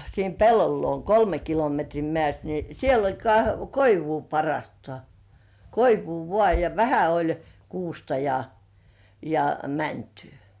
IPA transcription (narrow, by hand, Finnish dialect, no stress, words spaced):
siːm pelːol luon kolme kilometriː mĕæˑst ni siel olʲ kɑ koiʋuː pɑrːŏɑˑstŏɑˑ koiʋuː ʋŏɑˑ jɑ ʋæhæ olʲ kuːstɑ jɑ jɑ mæntẙː